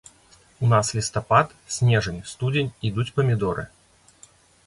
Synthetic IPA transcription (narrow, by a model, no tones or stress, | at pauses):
unaslʲist̪ɐpat̪ | sʲnʲɛʐɨnʲst̪ud͡zʲenʲid̪ut͡sʲpɐmʲɪd̪ɔɾɨ̰